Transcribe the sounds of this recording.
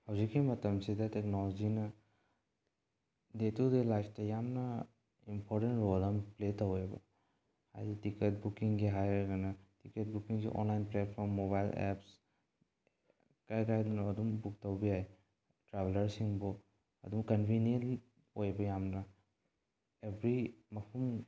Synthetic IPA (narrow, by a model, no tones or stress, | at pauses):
hɐwzikːimɐtɐmsidɐteknɔlod͡ʒinɐ | detudelajftajamnɐ | impʰɔɾtenɾolampletɐwebɐ̰ | ha̰jzitikɐt̚bukiŋɡiɦajɡɐnatiket̚bukiŋɡḭʔo̰nlajnplet̚pʰɔɾmːoβajlḛps | kajkajdunɐɐdumbuk̚tɐwbijaj | tɾabelɐɾsiŋbɔ | ɐ̰dumkɐnbʱinien | ojbɐjamnɐ | ebɾimɐpʰum